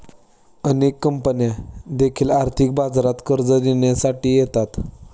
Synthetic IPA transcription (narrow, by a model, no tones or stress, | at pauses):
ənekːəmpənjad̪ekʰiːlaɾt̪ʰik̚bad͡zɾat̪kəɾd͡zəd̪eɳjasaʈiːjet̪at̪